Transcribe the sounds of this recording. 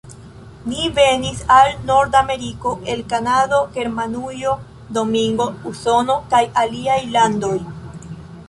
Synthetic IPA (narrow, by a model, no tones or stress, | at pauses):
nive̞nisalno̞ɾdame̞ɾiko̞ʔe̞lkanado̞ɡe̞ɾmanujo̞ | do̞miŋɡo̞uso̞no̞kajaliajlando̞j